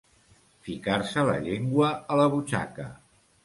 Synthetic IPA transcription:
fikaɾsələ̰ʎeŋɡwəːləβ̞ut͡ʃa̰kə

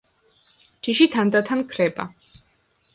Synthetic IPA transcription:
d͡ʒiʃit̪ʰand̪at̪ʰankʰɾɛba̰

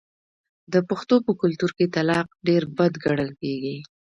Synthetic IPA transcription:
d̪əpaxt̪opəkʊlt̪uɾket̪alɑq̚ɖeɾbad̪ɡaɽəlkeɡi

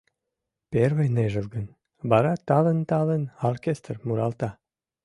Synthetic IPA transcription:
perβejneʒə̆lɡən | βɑɾɑt̪ɑlənt̪ɑlənorkʲest̪rmuɾɑlt̪ɑ

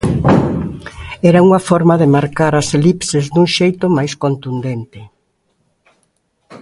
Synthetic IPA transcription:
ɛɾauŋɐfɔɾmɐðɪmaɾkaɾaselipsezd̪uŋʃejt̪ʊmajskont̪und̪ent̪ɪ

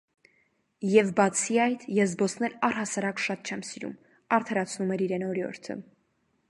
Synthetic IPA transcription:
jɛvbɑt͡sʰiɑjt̪ʰjɛs̬bɔsnɛlɑrhɑsɑɾɑkʃɑt̪̚t͡ʃʰɛmsiɾṵm | ɑɾt̪ʰɑɾɑt͡sʰnumɛɾiɾɛnɔɾjɔ̰ɾt̪ʰə̰

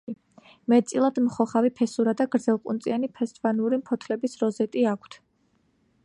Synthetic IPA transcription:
i | mɛt̪t̪sʼilˠad̪mχɔχavipʰɛsuɾad̪aɡɾd̪zɛlˠqʼunt̪sʼianipʰɛst̪ʼvanuɾimpʰɔt̪ʰlɛbisɾɔzɛt̪ʼiakʷʰt̪ʰ

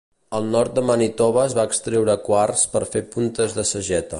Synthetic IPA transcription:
əlˠnɔɾt̪̚d̪əmanit̪ɔβəzβaːkst̪ɾewɾəːkwarspəɾfepunt̪əzðəsəʒɛt̪ə

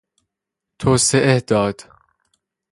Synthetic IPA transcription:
t̪ʰoːseʔed̪̥ɒːd̪̥

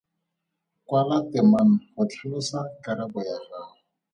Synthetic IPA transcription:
kwalatɛman̩hʊt͡ɬʰilʊsakaɾabɔjaha

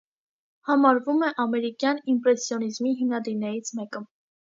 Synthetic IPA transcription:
hɑmɑɾvumɛʔɑmɛɾikjɑnimpɾɛsjɔnizmiɦimnɑd̪iɾnɛɾit͡sʰmɛkə

